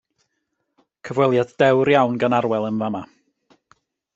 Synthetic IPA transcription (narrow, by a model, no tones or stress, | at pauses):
kʰəvwɛlˠjadd̥ɛwɾjawnɡanaɾwɛlˠənvama